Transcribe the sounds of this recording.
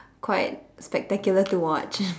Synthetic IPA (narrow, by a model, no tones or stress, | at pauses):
kʰwaɪt̚spɛk̚tɛkjulətuwɔt͡ʃ